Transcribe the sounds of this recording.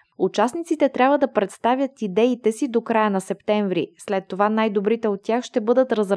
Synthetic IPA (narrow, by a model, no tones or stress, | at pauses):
ut͡ʃasnit̪sit̪ɛt̪ɾʲabvəd̪ɐpɾɛt̪st̪avʲjət̪id̪ɛit̪ɛsid̪okɾajənɐsɛpt̪ɛɱvɾḭslɛt̪ːovanajd̪obɾit̪ɛot̪ːʲjaxʃt̪ɛbɤd̪ət̪ɾɐzɾ